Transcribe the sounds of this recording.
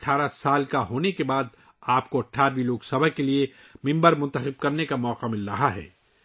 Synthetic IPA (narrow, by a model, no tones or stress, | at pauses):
ɐʈʰaːɾasaːlkaɦoːnekebaːd̪̚ | aːpkoɐʈʰaːɾbiloːksɐbʱəkelie | mɪ̃mbəɾmʊ̃nt̪əxɪb̚kɐɾnekamɔːqamɪlɾɐɦaɦɛ̰ː